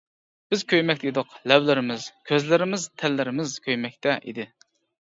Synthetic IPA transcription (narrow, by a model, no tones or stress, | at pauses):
b̥ɪzkʲʰøjmɛk̚ʲt̪ʰɛid̪ʊqlɛwlɪɾɪmɪz̥kʲʰøzlɪɾɪmɪzt̪ʰɛlːɪɾɪmɪzkʲʰøjmɛk̚ʲt̪ʰɛʔḭd̪ɪ